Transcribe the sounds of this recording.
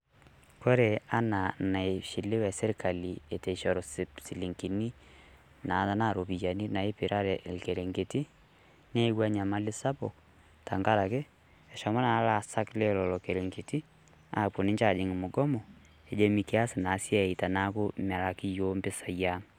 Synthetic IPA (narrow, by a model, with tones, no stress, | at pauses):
ko˦ɾe˨a˦na˨na˨ɪ˨ʃi˨lɪ˦wɛ˨sɪ˦ɾka˨li˨e˨te˨ʃɔ˨ɾɔ˨ssi˨li˨ŋki˨ni˦ | na˨˦ta˦na˦˨ɾo˨pi˨ja˨ni˦na˨ɪ˦pɪ˨ɾʔa˦ɾɛ˨ʔlke˨ɾe˨ŋɡe˨ti˦ | ne˦wa˦ɲa˨ma˦lɪ˦sa˦bɔ˨k | ta˨ŋɡa˦ɾa˨kɪ˦ | ɛ˨ʃɔ˨ma˦na˨˦la˨sa˦kle˦lɔ˨lɔ˨ke˨ɾe˨ŋɡe˨ti˦ | a̰˨pʊ˨nɪ˦ɲt͡ʃa˨d͡ʒɪ˨ŋ˨mʊ˨ɡɔ˦mɔ˨ | e˨d͡ʒe˦mi˨kɪ˦a˦sɪ˨na˨˦sja˦˨i˨ta˨na˦kʊ˦ma˨la˨kɪ˦jo˦mbɪ˦sa˨ja˦ŋ